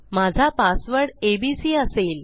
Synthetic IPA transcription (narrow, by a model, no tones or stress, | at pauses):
mad͡zʱapasʋəɽebisiːəseːl